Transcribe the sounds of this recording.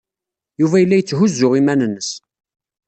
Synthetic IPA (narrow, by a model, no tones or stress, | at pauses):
juvæjəlːæjət͡sːɦʊzːʊʁimænənːəs